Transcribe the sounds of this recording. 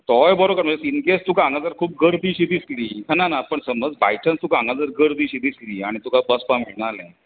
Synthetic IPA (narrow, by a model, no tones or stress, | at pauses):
t̪ɔjbɔɾokəɾm̤əd͡zesinkest̪ukãŋɡãd͡zəɾkʰuːp̚ɡəɽd̪iːɕid̪isliːnanapəɳsəməd͡zbajʈə̃nst̪ukãŋɡãd͡zəɾɡəɽd̪iɕid̪isliːaɽ̃it̪ukabəspamiɭnalɛ̃